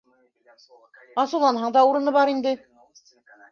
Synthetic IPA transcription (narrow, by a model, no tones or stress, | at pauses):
ɑsuwlˠɑnɦɑɴd̪ɑuɾɤ̆nɤβɑɾind̪ɘ